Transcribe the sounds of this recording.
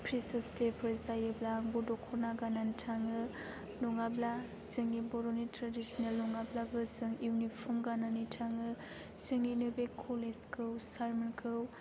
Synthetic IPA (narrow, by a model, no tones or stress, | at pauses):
pʰɾisastepʰɯɾzajɯblaŋbudɔkʰɔnaɡananitʰaŋɯ | lɔŋabla | zɯŋibɔɾonitɾadisnelːɔŋablabɯzɯŋjunipʰɔmɡananitʰaŋɯ | sɯŋinɯbekʰːoleskʰɯwsaɾmɯnkʰɯw